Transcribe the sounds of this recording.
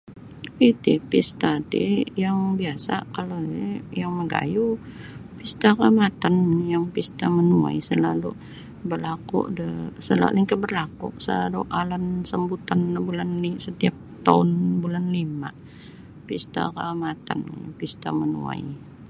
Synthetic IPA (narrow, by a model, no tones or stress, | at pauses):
it̪ipist̪at̪ḭjaŋbiasa̰kalajaŋməɡa̰ju | pist̪aramat̪anjaŋpist̪amənua̰jsəlalu | bəlakʊ̰ʔdəsəla̰liŋkəbərlakʊ̰ʔsəlaluʔalansəmbut̪anbulanlisət̪iap̚t̪aʊnbulanlima̰ʔ | pist̪a̰ramat̪a̰npist̪amənṵa̰j